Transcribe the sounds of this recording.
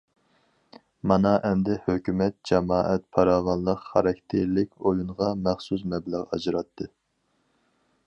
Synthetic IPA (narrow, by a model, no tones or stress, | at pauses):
mɑnɑʔɛmd̪ɪhøkʲymɛt̪̚d͡ʒɑmɑːʔɛt̪̚pʰɑɾɑːvɑnlˠəqχɑɾɑkʲt̪ʰeɾlɪkʲojunʁɑmæχsus̬mɛbləʁɑd͡ʒɾɑt̪ʰːɨ